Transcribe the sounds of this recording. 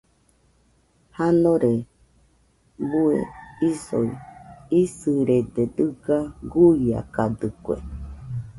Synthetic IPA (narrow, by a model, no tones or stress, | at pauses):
hanoɾe | buḛiso̰iisɨɾed̪ed̪ɨɡaɡuia̰kad̪ɨkʷḛ